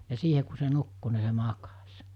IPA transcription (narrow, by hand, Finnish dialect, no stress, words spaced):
jɑ siːhe ku se nukːu ni se mɑkɑsʲ